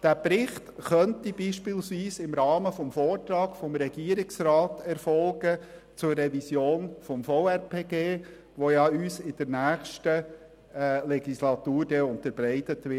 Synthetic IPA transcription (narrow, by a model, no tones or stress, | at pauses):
d̥æːpɾɪχtχœntibiːʃpiːlsʋiːsɪmɾɑːməfɔmfoːrtɾɑːɡ̥fɔmɾɛɡ̥iːəɾɪksɾɑːtɛɾfɔlɡə | t͡sʊrɛvisjoːnfɔmfɔwɛɾpʰeːɡeː | ʋojɑyːsɪd̥əɾnæːχʃtə | lɛɡ̥islɑtuːɾdɛʊntəɾb̥ɾɛɪtətʋɪ